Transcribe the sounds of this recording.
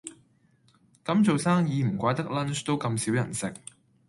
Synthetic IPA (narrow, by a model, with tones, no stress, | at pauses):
kɐ˨˥mt͡so˨wsaː˥ŋjiː˨˧m̩˨˩kʷaː˨˥jt̪ɐ˥k̚lɐ˥nt͡ʃt̪o˥wkɐ˧msiː˨˥wjɐ̰˨˩nsɪ˨k̚